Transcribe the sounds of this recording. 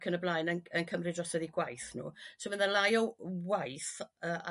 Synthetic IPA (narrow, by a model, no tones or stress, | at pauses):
kʰənəblˠajnənənkʰəmrɨdrɔsəðiɡwajθnṵːsɪmənðəlˠajɔwajθəːa̰